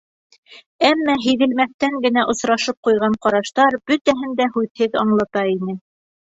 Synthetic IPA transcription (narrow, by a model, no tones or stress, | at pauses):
æmːæɦĭðɘ̆lmæθt̪æŋɡɘ̆næʔŏsɾɑʃɤp̚qujʁɑɴqɑɾɑʃt̪ɑɾb̥ɵ̆t̪æɦɘnd̪æhʉðhɘðɑɴlˠɑt̪ɑinɘ